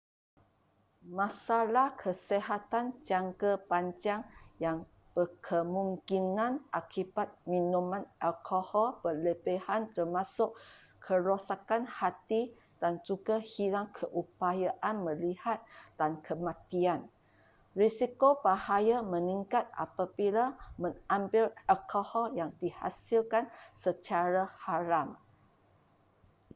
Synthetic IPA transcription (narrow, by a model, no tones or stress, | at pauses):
mãsalahkʰəseɦat̪and͡ʒaŋkəpaɲd͡ʒaŋjaŋ | b̥əkʰəmũŋkinãnʔakibat̪̚mĩnũmãnʔalkʰohɔlpələbehant̪ərmãsʊʔ | kʰəɾosakanhat̪i | d̥and͡ʒuɡahilaŋkʰəʔupajaʔanmə̃lihat̪̚d̥ankʰəmãt̪ian | risikobahajamə̃nĩŋkat̪̚ʔa̰pabilamə̃ŋãmbɪlɛlkʰohɔljaŋdiha̰silkansət͡ʃaɾahaɾam